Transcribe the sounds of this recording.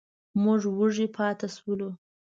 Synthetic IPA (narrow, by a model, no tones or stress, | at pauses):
mʊʐwuʐipʰɑt̪aswulu